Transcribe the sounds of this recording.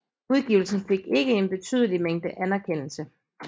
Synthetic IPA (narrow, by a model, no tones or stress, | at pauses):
uðˠɡ̥ḭʊl̩sn̩fe̝ɡ̥e̝ɡ̥əe̝nb̥e̝t͡sʰy̰ð̞ˠəlimeŋ̰d̥əʔænæɐkʰen̰l̩sə